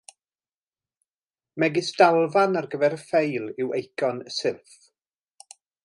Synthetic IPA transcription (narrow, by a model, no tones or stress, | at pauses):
mɛɡɪsd̥alˠvanarɡəvɛɾəfejlˠɪwejkʰɔnəsɪlˠθ